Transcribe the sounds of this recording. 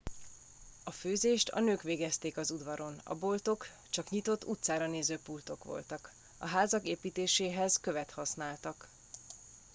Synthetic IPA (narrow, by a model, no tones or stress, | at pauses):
ɒføːzeːʃt̪ɒ̰nøːkʋeːɡɛst̪eːkɒzud̪ʋɒɾo̞nɒ̰bo̞lt̪o̞k | t͡ʃɒkɲit̪o̞t̪ːut̪saːɾɒneːzøːpult̪o̞kʋo̞̰lt̪ɒk | ɒɦaːzɒkeːpiːt̪eːʃeːɦɛzkø̞vɛt̪hɒsnaːlt̪ɒk